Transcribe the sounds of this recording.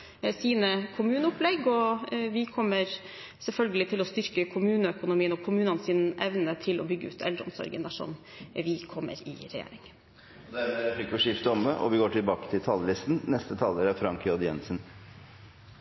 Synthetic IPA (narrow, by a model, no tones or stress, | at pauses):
siːnəkʰʊmʉːnəʊplɛɡːɔʋɪkʰɔmːəɾ | sɛlfœlɡəlɪt̪ʰɪlɔst̪ʏɾkəkʰʊmʉːnəœkʊnʊmiːənɔkʰʊmʉːnɑnsiːnʔɛʋnət̪ʰɪlʔɔbʏɡːəʉ̰ːt̪ʰɛ̰ld̪ɾəʊ̰msɔ̰ɾɡə̰nd̪æʂɔ̰m | ʋɪkʰɔmːə̰ɾɪ̰ɾɛjḛːɾɪŋ | ɔd̪æfɪkːʋɪʂɪft̪əɔmːəʔɔ̰ʋɪɡoːʈɪlbɑːkət̪ʰɪlt̪ʰɑlːəlɪst̪n̩nɛst̪ət̪ʰɑləɾæɾfɾɑŋkjɔd̪jɛ̰nsən̩